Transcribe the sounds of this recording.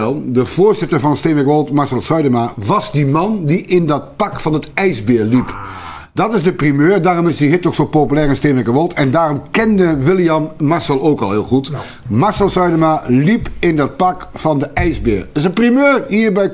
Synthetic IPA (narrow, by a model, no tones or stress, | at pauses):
ɛlˠdəvʊːɹzɪtəɹvɑnstenʋɛkʋɔlˠtmaɹsɛlˠsœɥdəmaʋɑzdimɑndiʔɪndɑt̚pɑkfɑnətɛjzbɪːɹlip | d̥ɑtɪzdəprimøːɹdaːrɔmɪzdiɦɪtɔksowpopylɛːɹɪnstenʋɛkəʋolˠtɛndaːrɔmkɛndəʋɪlˠjɑmːaɹsɛlˠowkɑ̰lˠɦɪːlˠχut | maɹsɛlˠsœɥdəmalipɪndɑt̚pɑkfɑndəʔɛjzbɪ̰ːɹɪsənprimøːɹɦiːɹbɛj